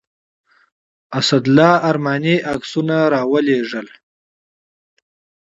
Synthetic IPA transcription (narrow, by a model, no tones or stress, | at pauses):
asad̪lɑːaɾmɑniʔaksunaɾɑːwəleʐəl